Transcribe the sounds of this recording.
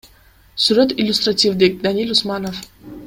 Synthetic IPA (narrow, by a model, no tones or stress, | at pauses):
suɾət̪ilʲust̪ratʰʲivd̪ek̚d̪anʲilʲusmanof